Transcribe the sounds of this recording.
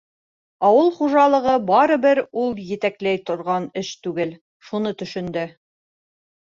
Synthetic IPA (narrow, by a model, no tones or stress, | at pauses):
ɑwɤlˠχuʒɑlˠɤ̆ʁɤbɑɾɤ̆bɘɾulˠjɘ̆t̪æklæjt̪ŏɾʁɑnɘʃt̪ʉɡɘl | ʃunɤt̪ɵ̆ʃɵ̆nd̪ɘ